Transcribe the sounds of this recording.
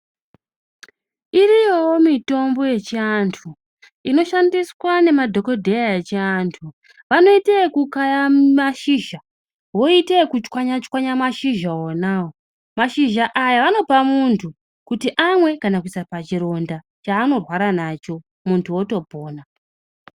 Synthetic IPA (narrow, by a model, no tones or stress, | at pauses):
iɾijowomito̞mbo̞je̞t͡ʃiantʰu | ino̞ʃandiswane̞madʱo̞ko̞dʱejaet͡ʃiantʰu | ʋano̞itekukajamaʃiʒa | wo̞itekut͡ʃkwaɲat͡ʃwaɲamaʃiʒaonawo | maʃiʒaʔajaʋano̞pamuntʰu | kutiʔamwe̞kanakuisapat͡ʃiɾo̞nda | t͡ʃaːno̞rwaɾanat͡ʃo̞ | muntʰuo̞to̞bʱoːna